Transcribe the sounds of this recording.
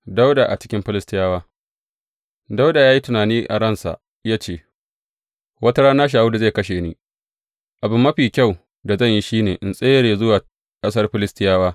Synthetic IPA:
da˦wda˨ʔa˨t͡ʃɪ̥˦kʲɪ˦mɸɪ˦lɪ˦stɪ˦jaː˦waː˦ | da˦wda˨jaː˦ji˦tʊ˨naː˨niː˦ʔa̰˨ɾɐ˦˨nsa̰˨ | jaː˦t͡ʃeː˦˨ | wɐ˦tɐ˦ɽaː˦naː˦ʃ̬aː˨wu˦da˨e˦˨kɐ˦ʃeː˨niː˦ | ʔa˨bɪ˨mːɐ˦ɸiː˨kʲa˦˨w | da˨zɐ˦˨ɲji˦ʃiː˦neː˨ʔɪ˨nsʼeː˦ɽeː˨zʊ˦waː˨ | kʼɐ˦s̬ɐ˦rɸɪ˦lɪ˦stɪ˦jaː˦waː˦

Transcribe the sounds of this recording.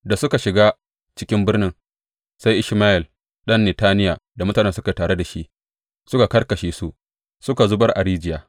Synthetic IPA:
da˨sʊ˦ka˨ʃɪ˨ɡaː˦ | t͡ʃɪ˦kʲɪ˦mbɪ˦rnɪ˦ŋ | sa˦jʔɪ˦ʃmaː˦ʔɪ˨l | ɗɐ˦nːɛ˨taː˦nɪ˦jaː˨da˨mʊ˦taː˨nɛ˦sʊ˦ka˨taː˨ɽe˦da˨ʃi˦ʔ | sʊ˦ka˨kɐ˦rkɐ˨ʃeː˨su˦ʔ | sʊ˦ka˨zʊ˦bɐ˦rʔa̰˨ɾiː˦d͡ʒɪ˨jaː˨

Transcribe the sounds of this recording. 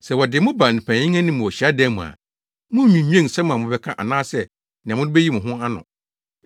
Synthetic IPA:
sɛ˨wɔ˨dɪ˨mʊ̃˦ba˨nɪ̃˨pʰã˨ɲĩ˦ã˦nɪ̃˦mʊ̃˨ɔ˨ɕi˨a˦dɛ˦mṵ̃˨a̰˨ | mʊ̃˦mĩ˨˦ɲĩ˦ẽ˦˨ŋ˨sɛ˦mʊ̃˨a˨ʊ̃˦bɛ˦kʰã˦ʔa̰˨nãː˦sɛ˦ | nɪ̃˨mʊ̃˦nʊ̃˦be˦ji˦mʊ̃˨ɦʊ̃˦a˦nʊ̰̃˨

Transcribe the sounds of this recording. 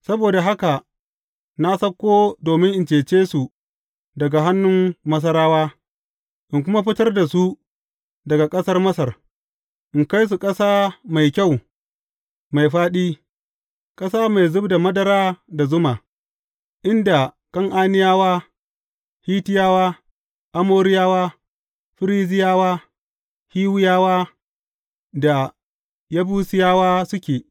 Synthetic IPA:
sɐ˦boː˨da˨ɦa˦ka˨ | na˦sɐ˦kʷːoː˦doː˨mɪ˦ŋʔɪ˨nt͡ʃeː˨t͡ʃeː˦su˨ | dɐ˨ɡa˨ɦa˦nːʊ˦mːɐ˦s̬ɐ˦ɾaː˦waː˦ | ʔɪ˨ŋk̬ʷʊ˦ma˦ɸɪ˦tɐ˦rda˨su˦ | dɐ˨ɡa˨kʼɐ˦sɐ˦rmɐ˦sɐ˨r | ʔɪ˨ŋka˦js̬u˨kʼɐ˦saː˦ma˨jkʲa˦˨w | ma˨jɸaː˦ɗiː˦ | kʼɐ˦saː˦ma˨jzʊ˦bda˨mɐ˦dɐ˨ɾaː˦da˨zʊ˦ma˨ | ʔɪ˦nda˨ | kɐ˦ŋʔaː˦nɪ˦jaː˦waː˦ | hiː˦tɪ˦jaː˦waː˦ | ʔa˦moː˦ɾɪ˦jaː˦waː˦ | ɸɪ˦ɾiː˦zɪ˦jaː˦waː˦ | hiː˦wʊ˦jaː˦waː˦ | da˨ | ja˦buː˦sɪ˦jaː˦waː˦sʊ˦kʲeː˨

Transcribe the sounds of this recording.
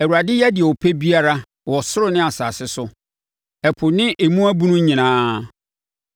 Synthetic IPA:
ɛ˨wu˨a˨dɪ˦jɛ˦dɪ˨ɛ˨wɔ˨pʰe˦bi˦a˦ɾa˦ | wɔ˨sʊ˦ɾʊ˨nɪ̃˦a˨saː˨sɪ˦sʊ˦ | ɛ˨pʰʊ˨nɪ̃˦ʔe˨mũ˦æ˦bũ˦nʊ̃˦ɲĩ˨nãː˦

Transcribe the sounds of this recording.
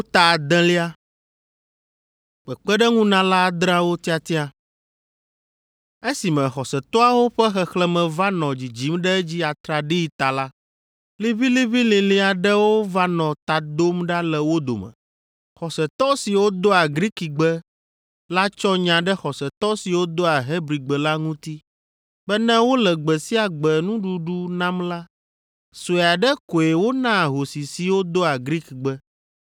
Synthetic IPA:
o˦t̪a˨d̪ɛ̃˦li˦a˦ | k͡pɛ˨k͡pɛ˦ɖɛ˦ŋũ˦nã˦la˦d̪ɾã˦wo˦t̪i˦a˨t̪ĩ˦a˨ | e˦si˨mɛ̃˨xɔ˨sɛ˨t̪ɔ˦a˦wo˦ɸɛ˦xɛ˨xlɛ˦mɛ̃˨va˦nɔ̃˨d͡ʑi˨d͡ʑi˦mɖɛ˦d͡ʑi˦a˨t̪ɾa˨ɖi˦i˨˦t̪a˨la˦ | li˦βi˦li˦βi˦lĩ˨lĩ˦a˨ɖɛ˦wo˦va˦nɔ̃˨t̪a˨d̪o˦mɖa˦lɛ˨wo˦d̪o̰˨mɛ̰̃˨ | xɔ˨sɛ˨t̪ɔ˦si˨wo˦d̪o˦a˨ɡɾi˦ki˨ɡ͡bɛ˦ | la˦t͡ʃɔ˦ɲã˨ɖɛ˦xɔ˨sɛ˨t̪ɔ˦si˨wo˦d̪o˦a˨ɦe˦bɾi˨ɡ͡bɛ˨la˦ŋũ˦t̪i˦ | bɛ˦nɛ̃˦wo˦lɛ˨ɡ͡bɛ˨si˦a˨ɡ͡bɛ˨nũ˦ɖu˦ɖu˦nã˦mla˦ | so˨ɛ˨a˨ɖɛ˦ko˨e˨wo˦nã˦˨ɦo˨si˨si˨wo˦d̪o˦a˨ɡɾi˦kɡ͡bɛ˦

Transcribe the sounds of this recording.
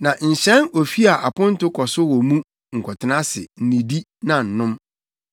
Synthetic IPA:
nã˨ɲ̩˨ɕɛ̃˦no˨fi˦a˨ʔa˨pʰʊ̃˦n̩˦tʊ˦kʰɔ˨sʊ˦wɔ˨mũ˦ | ŋ̩˨kʰʷɔ˨tʰɪ˨˦nã˦sɪ̰˨n̩˨nĩ˨di˦ | nã˨n̩˨nʊ̃˦m

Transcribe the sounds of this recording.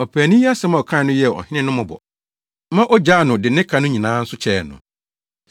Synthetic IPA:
ɔ˨pʰæː˨nĩ˦ji˦a˦sɛ˦mã˦˨ɔ˨kʰã˦˨nʊ̃˦jɛ˦˨ɔ̰˨hɪ̃˦nɪ̃˦nʊ̃˦mʊ̃˨bɔ̰˨ | mã˦ʔɔ˦d͡ʑa˦˨nʊ̃˨dɪ˨nɪ̃˦kʰa˨nʊ̃˦ɲĩ˨nãː˦n̩˦sʊ˦t͡ɕʰɛː˨nʊ̰̃˨

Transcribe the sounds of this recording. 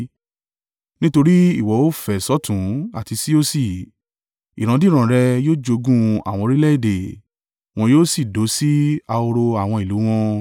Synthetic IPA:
nĩ˦to˧ɾi˦i˦˨wɔ˨˦o˦fɛ˨sɔ˦tũ˨˦a˦˨ti˧si˦o˦si˦˨ | i˨ɾ̃ã˨˧˦di˦ɾ̃ã˨ɾɛ˧joː˦d͡ʒo˧ɡũ˦a̰˨w̃ɔ̃˧ɾi˦lɛ˦i˦˨de˨ | w̃ɔ̃˧joː˦si˦˨do˨˦si˦a˧o˧ɾo˧a˨w̃ɔ̃˧i˨lu˨˦w̃ɔ̃˦

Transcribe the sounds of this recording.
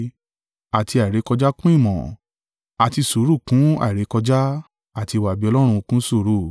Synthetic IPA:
a˨ti˧a˨i˨ɾe˨˦kɔ˧d͡ʒa˦kũ˦i˦˨mɔ̰̃˨ | a˨ti˧su˨˦ɾu˦˨kũ˨˦a̰˨i˨ɾe˨˦kɔ˧d͡ʒa˦ | a˦˨ti˧wa˨bi˨˦ɔ˧lɔ˦ɾ̃ũ˧u˧kũ˦su˦˨˦ɾu˦˨

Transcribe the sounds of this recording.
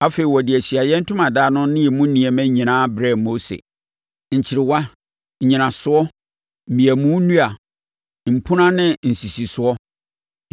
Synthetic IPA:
a˦fe˨i˨wɔ˨dɪ˨æ˨ɕi˨a˨jɛ˦n̩˦tʰʊ̃˦mã˨daː˦nʊ̃˦nɪ̃˦jɛ˨mʊ̃˦nĩ˨ɛ˨mæ̃˦ɲĩ˨nãː˦bɾɛ˦˨mo˦sḛ˨ | ɲ̩˨t͡ɕʰɪ˨ɾɪ˨wa˦ | ɲ̩˨ɲĩ˨nã˨sʊ˦ɔ˦ | m̩˨mĩ˨æ˨mũ˦nũ˦a˨ | m̩˨pʰʊ̃˦nã˦nɪ̃˦n̩˨si˨si˨sʊ˦ɔ˦

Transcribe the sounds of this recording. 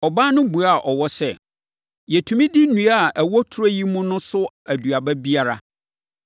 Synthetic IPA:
ɔ˨baː˦nʊ̃˦bu˨a˦˨ʔɔ˨wɔ˦sɛ˦ | jɛ˨tʰũ˨mĩ˦di˦nũ˨˦a˦˨æ˨wɔ˦tʰɾɔ˦ji˦mʊ̃˦nʊ̃˦sʊ˦ | æ˨du˨a˨bɛ˦bi˦a˦ɾa̰˨

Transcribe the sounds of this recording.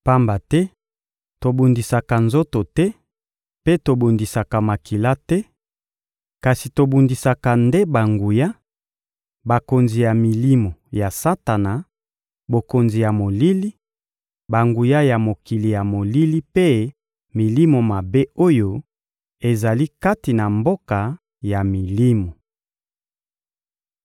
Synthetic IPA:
pa˦mba˨tɛ˦ | to˨bu˨ndi˨sa˨ka˨nzo˦to˨tɛ˦ | pe˦to˨bu˨ndi˨sa˨ka˨ma˨ki˨la˦tɛ˦ | ka˨si˨to˨bu˨ndi˨sa˨ka˨nde˦ba˨ŋɡu˨ja˦ | ba˨ko˨nzi˨ja˨mi˨li˦mo˨ja˨sa˦ta˨na˨ | bo˨ko˨nzi˨ja˨mo˨li˦li˦ | ba˨ŋɡu˨ja˦ja˨mo˨ki˨li˨ja˨mo˨li˦li˦pe˦ | mi˨li˦mo˨ma˨be˦o˦jo˦ | e˨za˨li˦ka˦ti˨na˨mbo˦ka˨ | ja˨mi˨li˦mo˨

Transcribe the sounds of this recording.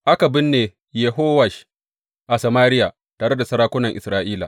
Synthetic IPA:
ʔa˦ka˨bɪ˦nːeː˨ | jɛ˨ɦoː˦wɐ˨ʃ | ʔa˨sɐ˨maː˦ɾɪ˦jaː˨ | taː˨ɽe˦da˨sɐ˦ɾaː˦kʷʊ˦nɐ˨ŋʔɪ̰˨sɾaː˦ʔiː˦la̰˨

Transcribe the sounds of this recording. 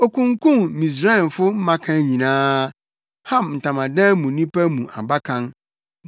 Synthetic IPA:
o˨kʰũ˦ŋkʰũ˦˨mmĩ˨s̬ɾa˦ɛ˨n˨fʊ˦m̩˦mã˦kʰã˦ɲĩ˨nãː˦ | hã˦mn̩˨tʰã˨mã˨dɛ̃˦mũ˨nĩ˦pæ˦mũ˨ʔa̰˨ba˦kʰã˦n

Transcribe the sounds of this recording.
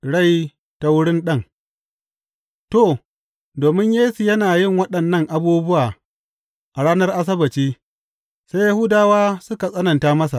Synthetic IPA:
ɽa˦˨j | ta˦wʊ˦ɽɪ˦nɗɐ˦˨ŋ | to˦˨ | doː˨mɪ˦ɲjeː˦su˨jɐ˦naː˨jɪ˦ŋwɐ˦ɗɐ˨nːɐ˦ŋʔa˨buː˦bʊ˦waː˨ | ʔa˨ɽaː˦nɐ˦rʔa˦s̬ɐ˦bɐ˨t͡ʃiː˦ | sa˦ja˦hʊ˦daː˦waː˦sʊ˦ka˨sʼɐ˦nɐ˨ntaː˦mɐ˦s̬a˨ʔ

